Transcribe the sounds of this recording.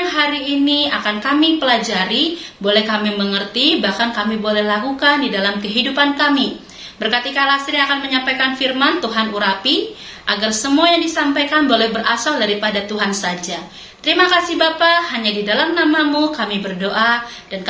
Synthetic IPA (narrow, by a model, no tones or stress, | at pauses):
ŋɦaɾiːniakankamipəlad͡ʒaɾibolɛhkamiməŋərt̪ibahkankamibolɛhlakukandidalamkəɦidupankami | bərkat̪ikalast̪ɾiakanməɲampajkanfirmant̪uɦanuɾapi | ʔaɡarsəmuajaŋdisampajkanbolɛhbərʔasaldaɾipadat̪uɦansad͡ʒa | t̪əɾimakasihbapahaɲadidalamnamamukamibərdoʔad̥ank